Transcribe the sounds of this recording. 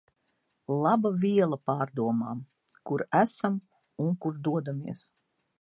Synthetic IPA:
lˠabavʲiɛlˠɐpaːɾd̪uɔmaːm | kuɾæsam | uŋkuɾd̪uɔd̪amiɛs

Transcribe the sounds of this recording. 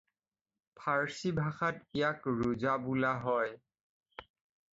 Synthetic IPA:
pʰaɹsibʱaxatijakɹuzabulaɦɔj

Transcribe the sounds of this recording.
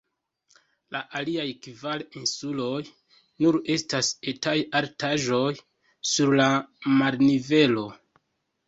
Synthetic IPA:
laʔaliajkvalinsulo̞j | nuɾe̞stasetajaɾtaʒo̞j | suɾlamalnive̞lo̞

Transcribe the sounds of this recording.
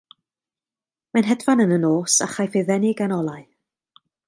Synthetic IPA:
manɦɛdvanənənoːsa̰χajfɪðɛnɪɡanɔlˠaɨ

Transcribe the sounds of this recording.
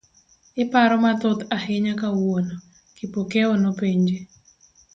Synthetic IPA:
ɪpaɾɔmat̪ɔt̪ahɪɲakawono | kipokɛonopeɲd͡ʒe

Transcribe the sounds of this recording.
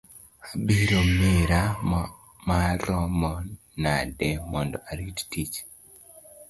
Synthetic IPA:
abiɾomɪɾa | maɾɔmɔ | nadɛmɔndɔ̰ʔaɾittit͡ʃ

